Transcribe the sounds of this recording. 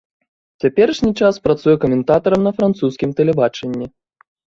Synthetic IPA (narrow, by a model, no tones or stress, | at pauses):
t͡sʲapʲɛɾɨʂnʲit͡ʂaspɾat̪sujɛkɐmʲɛnt̪at̪ɐɾɐmnɐfɾant̪suskʲimt̪ɛlʲɛbat͡ʂɛnʲːi